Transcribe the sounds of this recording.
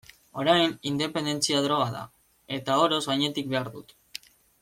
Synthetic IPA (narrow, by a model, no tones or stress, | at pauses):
o̞ɾajnind̪e̞pe̞nd̪e̞nt͡siaðɾo̞ɣ̞aða̰ | e̞t̪ao̞ɾo̞zɣajɲe̞t̪ik̚be̞aɾðut̪